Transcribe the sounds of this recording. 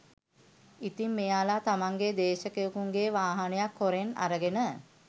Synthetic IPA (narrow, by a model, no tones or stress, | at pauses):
it̪imːejaːlat̪amaŋɡed̪eːʃəkejukuŋɡeʋaːɦanejakːoɾena̰ɾəɡenə